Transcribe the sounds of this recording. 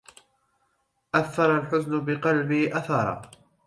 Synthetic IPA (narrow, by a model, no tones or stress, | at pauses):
ʔaθːɑɾˤɑlħʊznʊbɪqɑlbɪʔaθɑɾˤɑ̰ː